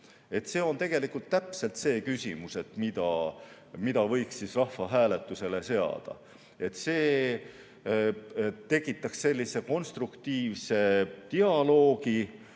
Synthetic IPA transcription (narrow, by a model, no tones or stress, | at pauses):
e̞t̪se̞ːo̞nt̪e̞ɡ̥e̞likult̪ːæpse̞lt̪se̞ːkysʲimuse̞t̪ːˑmid̪̥ɑ | mid̪̥ɑvɤ̞jkssisrɑhːɑɦæːle̞t̪ːˑuse̞le̞se̞ɑ̰d̪̥ɑ̰ | e̞t̪se̞ː | t̪e̞kːˑit̪ːˑɑksːe̞lʲːise̞ko̞nst̪rukt̪iːvse̞t̪iɑlo̞ːɡi